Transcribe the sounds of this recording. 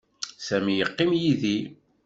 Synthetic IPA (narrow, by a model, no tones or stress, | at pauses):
sæmijəqːɪmjiði